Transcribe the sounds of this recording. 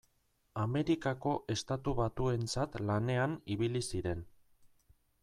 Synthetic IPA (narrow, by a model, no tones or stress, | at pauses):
ame̞ɾikako̞ʔe̞st̪at̪uβat̪ue̞nt͡sat̪lane̞aniβ̞ilisiɾe̞n